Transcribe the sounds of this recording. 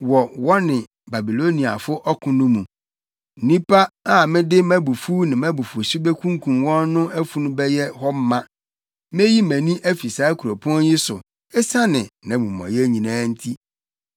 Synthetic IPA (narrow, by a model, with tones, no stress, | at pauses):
wɔ˨wɔ˦nɪ̃˨ | ba˨bi˨lo˦nĩ˨a̰˨fʊ˦ʔɔ˦kʰʊ̃˨nʊ̃˦mũ˨ | nĩ˦pʰa˦a˦˨mɪ̃˦dɪ˦mæ̃˦bu˨fuː˦nɪ̃˨mæ̃˦bu˨fʊ˨si˦bɛ˦kʰũ˦ŋkʰũ˨mwɔ̃˦nːʊ̃˦æ˦fu˨nʊ̃˦bɛ˦jɛ˦hɔ˦m̩˦mã˦ | m˦e˦ji˦mæ̃˨nĩ˦ʔæ˦fi˨saː˦kʰu˨ɾo˨pʰɔ̃˦nji˦sʊ̰˨ | ɪ˦sa˦nɪ̃˨nã˨˦mũ˨mɔ̰̃˨jɛ˦ɲĩ˨nãː˦n̩˦tʰi˦